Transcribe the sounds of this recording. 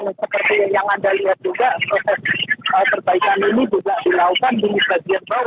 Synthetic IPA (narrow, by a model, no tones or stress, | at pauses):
ŋsəpərt̪ijaŋadaliɦat̪̚d͡ʒuɡaʔpɾosɛsəpərkaikaninibisaʔdilaukandinibaɡianba